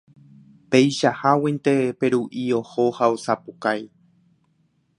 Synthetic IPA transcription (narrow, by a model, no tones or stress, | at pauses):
pejʃahawent̪epe̞ɾuʔio̞hohaosapukaj